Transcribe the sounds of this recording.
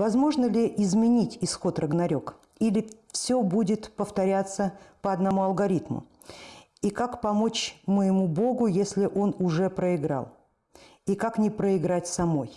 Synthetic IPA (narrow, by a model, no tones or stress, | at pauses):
vɐzmo̞ʐnəlʲɪʔɪzmʲɪnʲitʲɪsxo̞t̪rəɡnɐɾʲo̞k | ilʲɪfsʲɵbudʲɪt̪pəft̪ɐɾʲat̪sːəpəɐd̪nɐmuɐlˠɡɐɾʲit̪mʊ̰ | ikakpɐmo̞t͡ɕməjɪmubo̞ɡʊjesʲlʲɪʔo̞nʊʐɛpɾəɪɡɾa̰lˠ | ikaknʲɪpɾəɪɡɾatʲsɐmo̞j